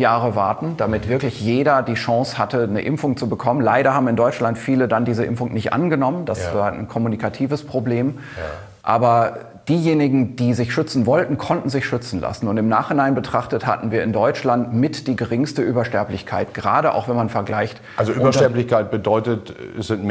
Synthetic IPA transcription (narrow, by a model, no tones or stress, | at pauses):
jaːʁəvaɐtn̩d̥amɪtv̥ɪɐklɪçjeːɾɐdiːʃɑ̃ŋshatənəʔɪmfʊŋt͡subəkʰɔmənlaɪɾɐhaːbm̩ɪndɔʏt͡ʃlantfiːlədandiːzəʔɪ̰mfʊŋnɪçtʔa̰nɡənɔmənd̥asvaːɐnkʰɔmunikʰatʰiːvəspʁ̥obleːm | ʔa̰ːbɐ | d̥iːjeːnɪɡŋ̩d̥iːzɪçʃʏt͡sn̩vɔltn̩kʰɔntn̩zɪçʃʏt͡sn̩lʔa̰sn̩ʊntɪmnaːχhɪnaɪnbətʁ̥aχtətha̰tn̩viːɐɪndɔʏt͡ʃlantmɪtd̥iːɡəʁɪŋstəʔyːbɐʃtɛɐplɪçkʰaɪtɡ̥əʁaːɾəʔa̰ʊxvɛnmanfɛɐɡlaɪçt | alzoʔyːbɐʃtɛɐplɪçkaɪt̚b̥ədɔʏtətsz̥ɪntm